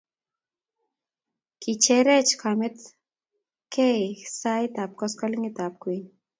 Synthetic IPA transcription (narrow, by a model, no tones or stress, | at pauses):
kit͡ʃʰeɾet͡ʃkʰamet̪ | kesajt̪ap̚kɔskɔliŋit̪ap̚kuin